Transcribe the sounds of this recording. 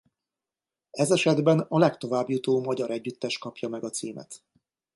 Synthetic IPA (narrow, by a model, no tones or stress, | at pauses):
ɛzɛʃɛd̪bɛnɒlɛkt̪o̞vaːbjut̪oːmɒɟɒɾɛɟːyt̪ːɛʃkɒpjɒmɛɡɒt̪siːmɛ̰t̪